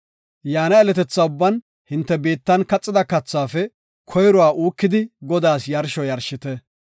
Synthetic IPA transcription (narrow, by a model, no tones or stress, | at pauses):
jaːnɐɛlɛt̪ɛt͡sːaʊbːɐn | hɪnt̪ːɛbe̞ːt̪ːɐnkɐt͡sʼːɪd̪ɐkɐt͡sːaːfɛ | kʰɔjɾɔwaːʔuːkːɪd̪ɪɡɔd̪aːsjɐɾʃɔjɐɾʃɪt̪ɛ